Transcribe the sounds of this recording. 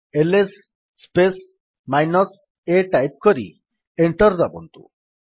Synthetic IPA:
elesː | pes | majnɔs | eʈajp̚kɔɾḭ | eɳʈɔɾd̪abɔnt̪ṵ

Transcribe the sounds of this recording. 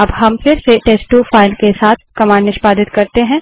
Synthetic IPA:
ɐbɦɐmfɪɾseʈeːsʈufaːɪlkesaːt̪̚ʰkɐmaːɾnɪʃpaːd̪ɪt̪kɐɾt̪eɦɛ̃ː

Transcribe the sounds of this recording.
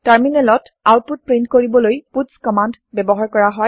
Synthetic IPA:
taɹminɛlɔt | awt̚put̚pɹintkoɹibɔlojputskɔmand | bɛbɔɦaɹkɔɹaɦɔj

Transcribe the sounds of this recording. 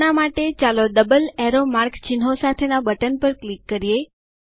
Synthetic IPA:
namaʈet͡ʃalod̪əbəlɛɾomaɾkt͡ʃɪnɦosat̪ʰenabəʈənpəɾklikːəɾije

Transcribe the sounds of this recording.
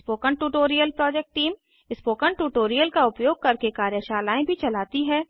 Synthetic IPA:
spoːkəɳʈuːʈoːɾijəlpɾɔːd͡ʒɛk̚ʈʈiːm | ɪspoːkəɳʈuːʈoːɾijəlkaʊpjoːɡ̚kɐɾkekaːɾjəʃaːlaːẽbʱit͡ʃɐlaːt̪iɦɛː

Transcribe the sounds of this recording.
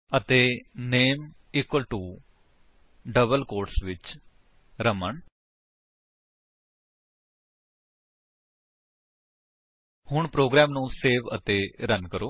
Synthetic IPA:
ət̪eːneːm | ɪːkwəlʈuː | ɖəbəlkoːɾʈsʋɪt͡ʃ | ɾəməɳ | hʊɳpɾoːɡɾɛːmnũːseːʋə̰t̪eːɾənkəɾoː

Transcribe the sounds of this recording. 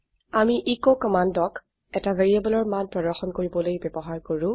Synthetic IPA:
amiʔikokɔmandɔk | ɛtaveɹiabɔlɔɹmanpɹɔdɔɹxɔnkoɹibɔlojbɛbɔɦaɹkoɹʊ̃

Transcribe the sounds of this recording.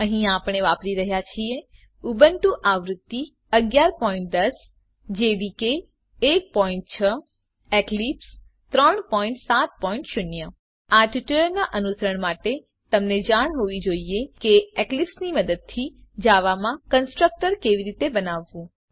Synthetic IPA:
əɦĩapəɽ̃eʋapɾiɾəɦjat͡ʃʰie | ubənʈũʔaʋɾʊt̪ːi | əɡjaɾpɔĩɳʈ̚d̪əs | d͡ʒeʋikeː | k̚pɔiɳʈ̚t͡ʃʰə | eklips | t̪ɾəɳpɔiɳʈsat̪̚pɔĩɳʈʃʊnjə | aʈiʈələɾnaʔənusəɾəɳmaʈe | t̪əmned͡ʒaɽ̃ɦoʋid͡ʒoiekeeklipsniməd̪əd̪̚t̪ʰid͡ʒaʋamãkənsʈɾək̚ʈəɾkeʋiɾit̪ebənaʋːũ

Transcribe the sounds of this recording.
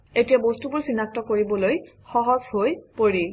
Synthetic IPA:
etijabostubuɹsinak̚tɔkoɹibɔloj | xɔɦɔzhojpoɹi

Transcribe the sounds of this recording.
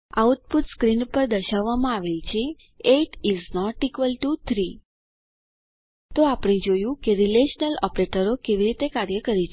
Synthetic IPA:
auʈ̚put̪skɾinpəɾd̪əʃaʋːamãaʋelt͡ʃʰe | eʈiznɔʈːikʋəlʈut̪ʰɾi | t̪oapɽ̃ed͡ʒojũkeɾileʃnəlɔpɾeʈəɾokeʋiɾit̪ekaɾjəkəɾit͡ʃʰ

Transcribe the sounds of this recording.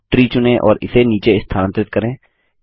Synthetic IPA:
ʈɾiːt͡ʃʊnẽʔɔ̰ːɾɪ̰seniːt͡ʃeɪst̪ʰaːə̃nt̪ɾɪt̪̚kəɾẽː

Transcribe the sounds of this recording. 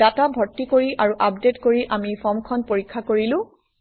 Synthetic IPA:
atabʱɔtːikoɹiʔaɹuʔapdetkoɹiʔamipʰɔmkʰɔnpoɹikʰːakoɹilʊ̃

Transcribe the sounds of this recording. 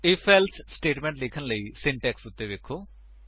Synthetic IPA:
eːpʰelssʈeːʈmẽɳʈleːkʰɐnlɐisiɳʈeksut̪ːeːʋekʰːu

